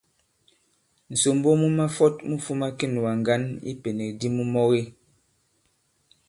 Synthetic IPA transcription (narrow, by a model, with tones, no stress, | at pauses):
n̩˨so˨m˦bo˦mu˦ma˦fɔ˦tmu˦fu˦ma˦ke˦˨n˨wa˨ŋ˨ɡa˦nḭ˦pe˨ne˨di˦mu˦mɔ˦ɣe˦